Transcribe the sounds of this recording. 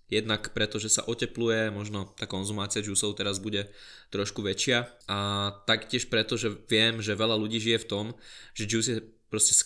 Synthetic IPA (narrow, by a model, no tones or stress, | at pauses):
jɛd̪nakpɾɛt̪ɔʒɛsa̰ʔɔcɛplujɛmɔʒnɔt̪aːkɔnzumaːt͡siad͡ʒuːsɔʊt̪ɛɾazbuɟɛt̪ɾɔʃkuʋɛt͡ʃɪaʔat̪akcɪɛʃpɾɛt̪ɔʒɛʋɪɛmʒɛʋɛʎaluɟiːʒijɛft̪ɔmʒɛd͡ʒus̬ɛpɾɔscɛs